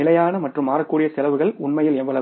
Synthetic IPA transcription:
ɪlɐjaːnɐmɐʈrɯmːaːɾɐkːuːɽɪjɐsɛlɐʋɯɣɐɭʊɳmɐjɪlɛmʋɐlɐ

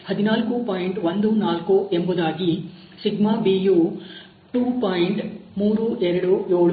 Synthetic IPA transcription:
hɐd̪inaːlkupaːjiɳʈʋond̪unaːlkuʔembud̪aːɡi | siɡmabiːju | ʈuːpaːjɳʈmuːɾuʔɛɾɐɽujoːɭ

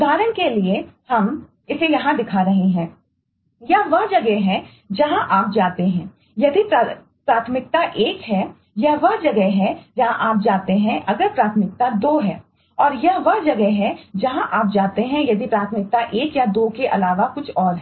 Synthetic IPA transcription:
d̪ʱaːɾənkeliehɐm | ɪsejɐɦãd̪ɪkʰaɾɐɦeɦɛ̃ː | jɐʋɐɦd͡ʒɐɡɛɦɛ̃ | d͡ʒɐɦãʔaːp̚d͡ʒaːt̪eɦɛ̃ː | jɐd̪ipɾ | pɾaːt̪ʰəmɪk̚t̪aʔeːkɦɛ | jɐʋɐɦd͡ʒɐɡɛɦɛd͡ʒɐɦãʔaːp̚d͡ʒaːt̪eɦɛ̃ʔɐɡəɾpɾaːt̪ʰəmɪk̚t̪ad̪oːɦɛː | ɔːɾjɐʋɐɦd͡ʒɐɡɛɦɛd͡ʒɐɦãʔaːp̚d͡ʒaːt̪eɦɛ̃jɐd̪ipɾaːt̪ʰəmɪk̚t̪aʔeːkjad̪oːkeʔɐlaːʋakʊt͡ʃʰɔːɾɦɛ

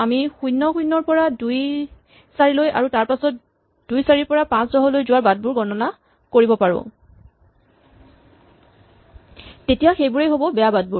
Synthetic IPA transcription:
amixujnːɔxujnːɔɹpɔɹaduj | saɹiloja̰ɹutaɹpasɔt | d̥ujsaɹipɔɹapãsdɔɦɔlojzʊwaɹbad̚buɹɡɔnɔna | koɹibɔpaɹʊ̰̃ | tetijaxejbuɹejɦobɔbɛjabad̚buɹ

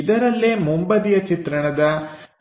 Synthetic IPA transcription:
id̪ɐɾɐlːemumbɐd̪ijɐt͡ʃit̪ɾɐɳɐd̪ɐ

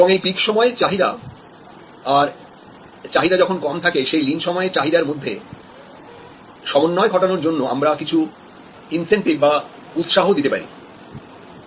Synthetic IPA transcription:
eboŋejpikʃɔmɔet͡ɕaɦid̪a̰ | aɾ | t͡ɕaɦid̪ad͡ʑɔkʰonkɔmt̪ʰakeʃejlinʃɔmɔet͡ɕaɦid̪aɾmod̪ʱːḛ | ʃɔmonːɔeɡʱɔʈanoɾd͡ʑonːoa̰mɾakit͡ɕʰu | insenʈik̚ba | ut̪ʃaɦod̪it̪epa̰ɾḭ

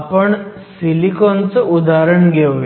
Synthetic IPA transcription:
pəɳsilikɔnt͡səud̪aɾəɳɡʱeʋ

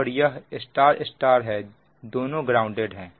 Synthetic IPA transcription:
əɽijaɪsʈaːɾɪsʈaːɾɦɛ | d̪oːnõɡɾaːʊ̃ɳɖeːɖɦɛ̃ː

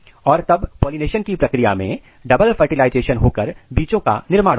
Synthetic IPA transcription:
ɔːɾt̪ɐbpoːlineːʃənkipɾɐkɾija̰mḛ̃ | ɖɐbəlfʰɐɾʈɪlaːɪd͡ʒeːʃənɦoːkəɾbiːt͡ʃõka̰nɪɾmaːɽ

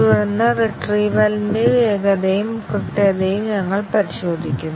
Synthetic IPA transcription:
ɐɾɐnɐreʈriʋɐlnieːɣɐðɐjɯmkɪʈːɐðɐjɯmɲɐŋːɐɭpɐɾɪɕoːd̪ɪkʲːɯm

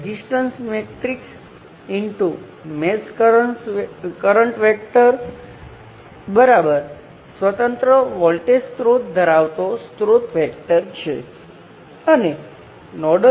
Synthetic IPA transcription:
disʈənsmeʈɾiks | iɳʈu | mesk | kəɾəɳʈʋɛk̚ʈəɾ | bəɾabəɾ | sʋət̪ə̃nt̪ɾəʋɔlʈest̪ɾot̪̚d̪ʱəɾaʋt̪ost̪ɾot̪ʋɛk̚ʈəɾt͡ʃʰḛ | əne | nɔɖə

